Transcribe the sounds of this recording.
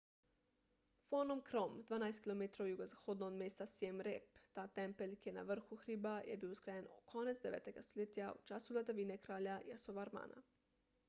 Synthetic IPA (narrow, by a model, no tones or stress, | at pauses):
fonomkɾomd̪ʋaːnajst̪kʲilˠomet̪ɾoojuɡozaxod̪nod̪meːst̪asjemɾept̪aːt̪empelʲkena̰ʋr̩xuxɾibajebiːwuskɾajenkʰonet̪zd̪eʋeːt̪eɡast̪olet̪ijaṵt͡ʃasulad̪aʋinekɾaːʎajasoʋaɾma̰ːnʔa̰